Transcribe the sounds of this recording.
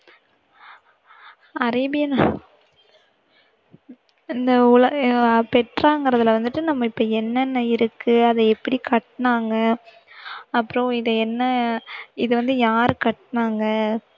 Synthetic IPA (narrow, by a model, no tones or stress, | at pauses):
ɐɾɐbɪjɐna | ɪnd̪ɐʊlɐpɛʈɾaːŋɡɪɾɐðɪlʋɐnd̪ɯʈːɯnɐmːɐɪpːɐːɛnːɛnːɐɪɾɯkːɯɐðɐɛpːɐɽikɐʈːnaːŋɡɐː | pːɯɾõɪðɐɛnːɐ | ɪðɯʋɐnd̪ɯjaːɾɯkɐʈːnaːŋɡɐ